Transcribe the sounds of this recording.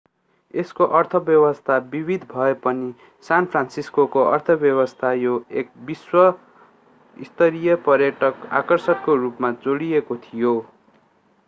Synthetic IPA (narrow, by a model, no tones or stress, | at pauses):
eskoʔʌrt̪ʰʌbjʌwʌst̪ʰabibʱid̪ʱbʱʌepʌni | sanpʰransiskokoʔʌrt̪ʰʌbjʌwʌst̪ʰajoek̚biswʌ | ist̪ʌɾijʌpʌrjʌʈʌka̰kʌrsʌtkorupmad͡zoɽijekot̪ʰijo